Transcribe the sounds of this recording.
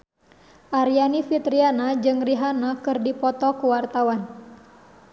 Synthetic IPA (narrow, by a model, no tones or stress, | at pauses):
ʔaɾianifit̪ɾianad͡ʒɨŋriɦanakɨrdipɔt̪ɔkuwart̪awan